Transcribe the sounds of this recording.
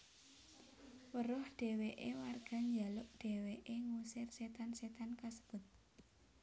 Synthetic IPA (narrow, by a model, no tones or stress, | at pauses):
wəɾʊhɖ̥e̤weʔewarɡ̥a̤ɲd͡ʒalʊʔɖ̥e̤weʔeŋusɪrset̪anset̪ankasəb̥ʊ̤t̪̚